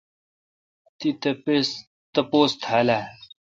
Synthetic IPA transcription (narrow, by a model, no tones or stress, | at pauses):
t̪it̪ɐpes | t̪ɐpoːst̪ʰaːla